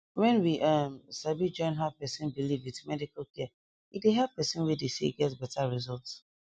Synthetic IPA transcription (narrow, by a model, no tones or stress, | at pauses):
wɛ̃nwiʔʌmsabid͡ʒɔ̃ɪ̃nɦav̥pɛsĩnbilivitmɛdikalkɛ | ideɦɛpɛsĩnwidesḭɡɛtbɛtaɹizɔlˠts